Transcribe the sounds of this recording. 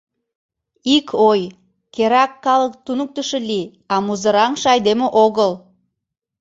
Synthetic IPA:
ikʰoj | kʲʰeɾɑkːɑlˠəkt̪ʰunuk̚t̪ʏʃɪlʲi | ɑmuzəɾɑɴʃɑjd̪emɪʔoɡəlˠ

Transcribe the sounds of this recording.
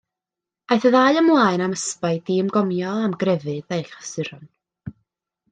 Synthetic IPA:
ajθəðaɨəmlˠaːɨnaməspaɨdiːmɡɔmjɔamɡrɛvɨðejɬə̥sɨɾɔn

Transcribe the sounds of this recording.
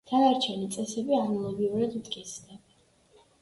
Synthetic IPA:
t̪ʰanaɾt͡ʃʰɛnit̪sʼɛsɛbianɔlˠɔɡiuɾad̪mt̪ʼɡʼit̪sd̪ɛb

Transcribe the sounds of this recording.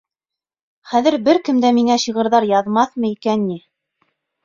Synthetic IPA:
χæðɘ̆ɾbɘɾkɘ̆md̪æmiŋæɕɤʁɤ̆ɾðɑɾjɑðmɑθmɤikænːi

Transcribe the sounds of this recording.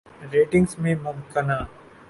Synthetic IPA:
ɾeːʈɪ̃ŋɡsmẽmɐbkɐnaː

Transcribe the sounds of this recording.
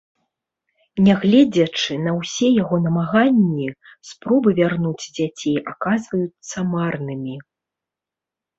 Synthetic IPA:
nʲaɣlʲɛd͡zʲɐt͡ʂɨnɐwsʲɛjaɣɔnɐmaɣanʲːispɾɔbɨvʲarnud͡zʲd͡zʲat͡sʲejʔakazvɐjut̪sːɐmarnɨmʲi

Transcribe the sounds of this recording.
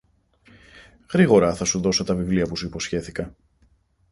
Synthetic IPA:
ɣɾiɣo̞ɾɐθɐsuðo̞sot̪ɐvivliɐpusuipo̞sçe̞θikɐ

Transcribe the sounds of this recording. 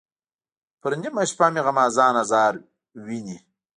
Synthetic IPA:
pəɾnimaʃpamiʁamaːzɑːnazɑːɾ | wini

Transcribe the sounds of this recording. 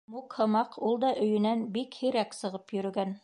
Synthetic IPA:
mukhɤ̆mɑqʰulˠd̪ɑʔɵ̆jɵ̆nænbikhiɾæksɤ̆ʁɤpjɵ̆ɾɵ̆ɡæn

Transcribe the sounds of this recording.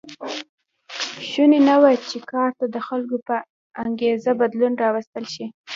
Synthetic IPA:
ʃunenawat͡ʃekɑɾt̪ad̪əxalkopə | aŋɡezabad̪lunɾɑwast̪əlʃi

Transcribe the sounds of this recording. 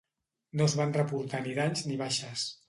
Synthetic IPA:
nozβanrəpuɾt̪aniðaɲzniβaʃəs

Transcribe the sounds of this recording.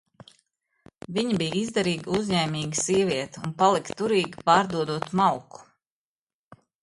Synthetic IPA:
viɲibijizd̪ɛɾiːɡuzʲɲɛːmʲiːɡsiɛvʲiɛt̪unpalˠikt̪uɾiːɡipaːɾd̪uɔd̪uɔt̪mawku̥

